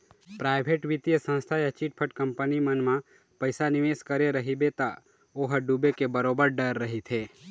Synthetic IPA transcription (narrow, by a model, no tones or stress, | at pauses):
pɾajbʱeʈʋit̪jəsə̃ñst̪ʰajət͡ʃiʈ̚pʰəʈkəmpənimənmã | pəjsanɪʋeskəɾeɾəɦibet̪a | oɦəɖubekebəɾobəɾɖəɾːəɦit̪ʰe